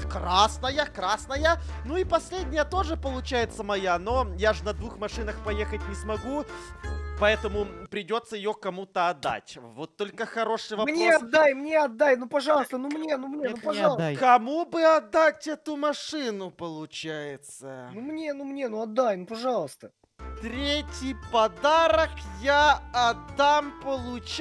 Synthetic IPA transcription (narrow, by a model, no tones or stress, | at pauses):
krasnəjakɾasnəjanuipɐsʲlʲedʲnʲɪjət̪o̞ʐɨpəlˠʊt͡ɕæjɪt̪səmɐjano̞jaʐɨnɐd̪vuxmɐʂɨnəxpɐjexət̚ʲnʲɪsmɐɡu | pɐɛt̪əmʊpɾʲɪdʲo̞t̪səjɪjokɐmut̪əɐd̪ːa̰tʲvo̞t̪ːo̞lʲkəxɐɾo̞ʂɨjvɐmnʲeɐd̪ːajmnʲeɐd̪ːajnupɐʐɑlˠəst̪ənumnʲenumʲenupɐkɐmubɨɐd̪ːatʲɛt̪ʊmɐʂɨnʊpəlˠʊt͡ɕæjɪt̪sənumnʲenumnʲenuɐd̪ːajnupɐʐɑlˠəst̪ə | t̪ɾʲetʲjɪjpɐd̪aɾəkjaɐd̪ːampəlˠʊt͡ɕ